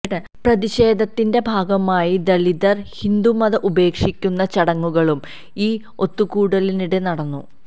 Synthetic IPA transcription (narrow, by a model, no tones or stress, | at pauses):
ɳɨ | prɐðiɕe̞ːd̪ʱɐt̪ːinde̞bʱaːɡɐmaːjid̪ɐlid̪ɐrhind̪umɐðɐʔube̞ːkʂikʲːunːɐt͡ɕɐɽɐŋːuɣɐɭum | iː | o̞t̪ːukuːɽɐliniɽe̞nɐɽɐnːṵ